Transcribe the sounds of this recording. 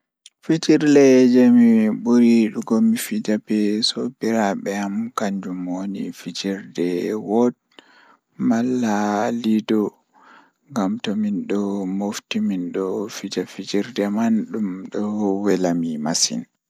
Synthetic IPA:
fid͡ʒiɾlɛd͡ʒɛmiɓuɾiɗuɡɔmifid͡ʒabɛsɔbiɾaɓɛamkaɲd͡ʒumonḭfid͡ʒiɾdɛwɔt̚ | malːalidɔ | ŋɡamtɔminɗɔmoftiminɗɔfid͡ʒafid͡ʒiɾdɛmanɗumɗɔwɛlamimasḭn

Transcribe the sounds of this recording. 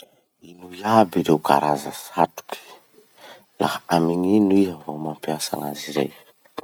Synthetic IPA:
inuiabiɾewka̰ɾʔazə̰sat̪u̥ki̥ | lahamiɲinuiavomampiasa̰na̰ziɾḛj

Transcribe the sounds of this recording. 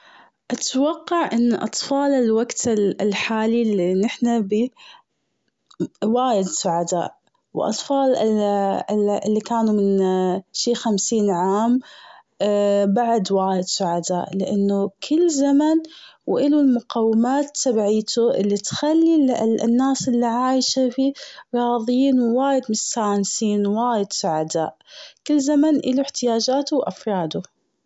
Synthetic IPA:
ʔat̪wɑqːɑʕʔɪnːʔɑ̰t̪ˤfɑːlɪlwaɡt̪ɪlħaːlilːinːɪħnabi | waːjɪd̪sʊʕad̪a̰ːʔ | w̰ʔɑ̰t̪ˤfɑːlɪ | ɪlːikaːnumɪnʃiːxamsiːnʕaːm | baʕd̪waːjɪd̪sʊʕad̪aːʔlɪʔanːʊkʰɪlːzamanwʔɪlulmʊqɑwːɪmaːt̪ːabʕiːt̪ʰuʔɪ̰lːit̪xalːillnːaːsʔɪlːiʕaːjʃafiɾˤɑːðˤjiːnwwaːjɪd̪mɪnsaʕnsiːnwaːjɪd̪sʊʕad̪aːʔkɪlːzamanʔɪluɪħt̪ɪjaːd͡ʒaːt̪ʊwʔafɾˤɑːd̪ʊ

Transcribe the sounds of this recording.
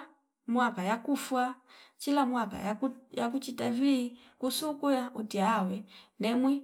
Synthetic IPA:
mwapajakufwat͡ʃilamwapa̰jak̬ut͡ʃitaviː | kusukujaʔutiawɛnɛmwi

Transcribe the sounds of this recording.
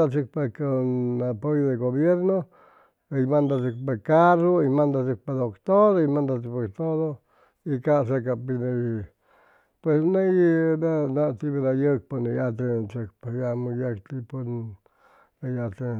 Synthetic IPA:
at͡ʃik̚pekanapojoðeɣoβjeɾno | imãnd̪at͡ʃikpekaroimãnd̪at͡ʃik̚ped̪okt̪oɾimãnd̪at͡ʃipekt̪oðo | ikas̬ek̬apinẽ | pwesnãjinãnãt̪iβiɾajək̚ponĩjat̪et͡ʃekpejamũjakt̪ipon | ajat̪e

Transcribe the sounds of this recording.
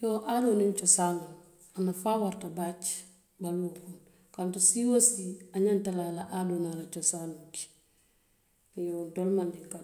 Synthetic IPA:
jɔʔadonent͡ʃosanun | anafawaɾtabat͡ʃ | baluːkun | kantusiwosiaɲantalalaʔadunalat͡ʃosanuki̥ | joːdolmandika

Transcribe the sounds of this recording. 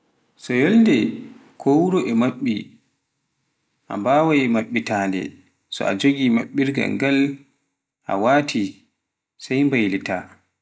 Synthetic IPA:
sɔjolndɛkʰowuɾɔʔɛmaɓːi | ʔa̰mbaːwajmaɓːitaːndɛ̰ | sɔ̰ad͡ʒoɡimaɓːiɾɡa̰ɡal | ʔa̰waːtʰi | sajmbajlita

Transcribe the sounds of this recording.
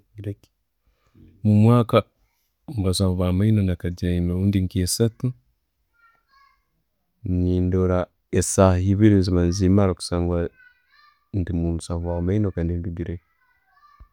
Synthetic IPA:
ɡɾek | mumwaːka | mbasaːvamainonakad͡ʒaimauːndiŋkiesatu | ɲiːndoɾa | esahiβiɾinzimanzimaɾoku̥saːŋɡwa | ndimumusaːvwamainokaːndindudiɾe

